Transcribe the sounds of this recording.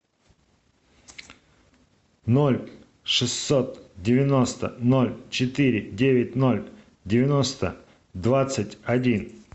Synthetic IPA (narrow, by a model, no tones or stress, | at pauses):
nolʲ | ʂɨsːot̪dʲɪvʲɪno̞st̪ənolʲt͡ɕɪt̪iɾʲɪdʲevʲɪt̚ʲnolʲ | dʲɪvʲɪno̞st̪ə̰ | d̪vat̪sɨtʲɐdʲin